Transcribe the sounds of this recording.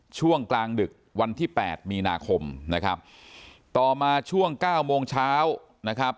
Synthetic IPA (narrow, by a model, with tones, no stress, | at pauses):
t͡ɕʰu˥˩əŋklaː˧ŋdɯ˨˩k̚wa˧nt̪ʰiː˥˩pɛ̰ː˨˩t̪̚miː˧na̰ː˧kʰo˧mna˦˥kʰa˦˥p̚ | t̪ɔː˨˩maː˧t͡ɕʰu˥˩əŋkaː˥˩wmoː˧ŋt͡ɕʰaː˦˥w | na˦˥kʰɾa˦˥p̚